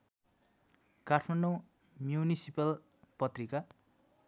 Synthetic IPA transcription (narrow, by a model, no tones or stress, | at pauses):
katʰmaɳɖõ | mjunisipʌl | pʌt̪rika